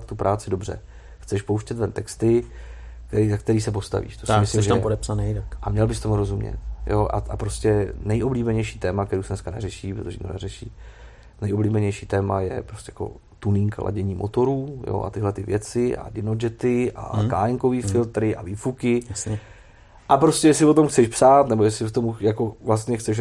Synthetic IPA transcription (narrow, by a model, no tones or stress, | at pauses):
t̪t̪upɾʔaːt͡sɪdobr̝ɛ̰ | xt͡sɛʃpo̞wʃcɛt̪vɛnt̪ɛkst̪ɪ | k̪ɛizak̚t̪ɛɾiːsɛp̬o̞st̪a̰vḭːʃt̪osɪmɪslɪmʃʒɛapodɛpsanɛjt̪akʔamɲɛlbɪst̪omuɾo̞zumɲɛ̰t̪jo̞ʔa̰ʔapɾo̞scɛnɛjʔobliːbɛɲɛjʃiːt̪ɛːmakt̪ɛɾuːsɛnɛskanɛ̰rɛʃiːpɾot̪oʒɛḭno̰nɛɾɛʃḭː | nɛjʔobliːbɛɲɛjʃi̥ːt̪ɛːmajɛ̰pɾoscʲɛjḁko̞̰ | t̪uniŋklʔa̰ɟɛɲiːmʔot̪o̞ɾuːjo̰ʔa̰t̪ɪɦlɛt̪ɪvjɛt͡sɪʔa̰dɪnod͡ʒɛt̪ɪʔa̰ka̰ːɛŋko̞viːfɪlt̪ɾɪʔaviːfukɪasɲɛ | ʔapɾo̞scɛjɛs̬ɪvo̞t̪o̞mxt͡sɛʃpsaːt̪nɛbo̞jɛsɪvot̪omujako̞vlast̪ɲɛxt͡sɛʃ̬